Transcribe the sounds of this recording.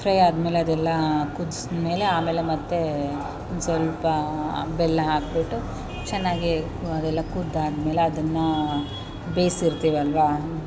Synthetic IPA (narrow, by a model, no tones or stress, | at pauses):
pɾɐjaːd̪me̞ːleɐd̪ɛlːɐkud̪sme̞ːleaːme̞ːlemɐt̪ːe | ond̪sʋɐlpɐbɛlːɐɦaːk̚biʈːu | t͡ʃɛnːaːɡi | ɐd̪ɛlːɐkud̪ːaːd̪me̞ːleɐd̪ɐnːɐ | beːsiɾt̪iːʋɐlʋa